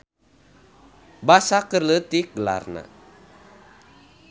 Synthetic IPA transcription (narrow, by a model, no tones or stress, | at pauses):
basakərlət̪iɡəla̰rna̰